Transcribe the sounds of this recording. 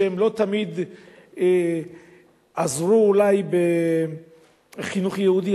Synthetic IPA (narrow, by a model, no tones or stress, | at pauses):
emlo̞t̪amid̪ | e | azʁuːlajbe | χinuχjeud̪i